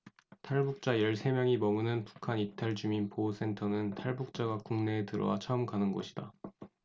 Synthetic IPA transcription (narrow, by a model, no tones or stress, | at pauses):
tʰaɭbuk̚t͡ɕ͈ajʌɭsʰe̞mjʌŋimʌmunɯnpu̥kʰanitʰaɭt͡ɕuminpos͈ʰe̞ntʰʌnɯntʰaɭbuk̚t͡ɕ͈aɡakuŋne̞ːtɯɾʌ̰wat͡ɕʰaɯmkanɯnɡʌɕʰi̥d̥a